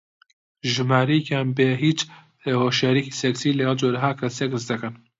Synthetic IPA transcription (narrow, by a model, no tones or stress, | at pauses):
ʒɨmaːɾɐjekaːnbeːɦiːt͡ʃ | hoʃjaɾikiːseksiːlɐɡɐlˠd͡ʒoːɾɐɦaːkʰɐsjekɨsd̪ɐkɐn